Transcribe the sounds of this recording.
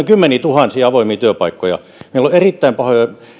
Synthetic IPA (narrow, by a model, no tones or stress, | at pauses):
iŋkymːeniːt̪uhɑnsiːɑʋoˑimiːt̪yøpɑikːojɑ̰ | meilːoerit̪ːæimpɑhojo